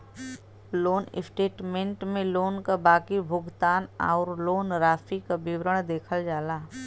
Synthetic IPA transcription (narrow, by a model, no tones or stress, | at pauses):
loːnɪ̰sʈeːʈmẽɳʈmẽloːnkabaːkibʱʊɡt̪aːna̰ːɾloːnɾaːfikabɪwɾəɽ̃d̪eːkʰəld͡ʒaːlaː